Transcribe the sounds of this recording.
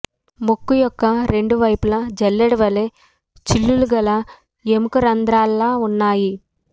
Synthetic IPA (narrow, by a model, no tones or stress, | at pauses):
mokːujɔkːɐɾe̞ɳɖuʋɐjpulɐd͡ʒɛlːeɽiʋɐle | t͡ʃilːuluɡɐlɐ | jemukɐɾɐnd̪ɾaːlːaːunːaːji